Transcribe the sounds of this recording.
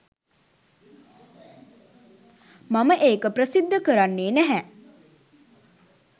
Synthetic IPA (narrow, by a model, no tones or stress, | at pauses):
maməʔeːkəprəsid̪ːəkəɾanːeːnæɦæ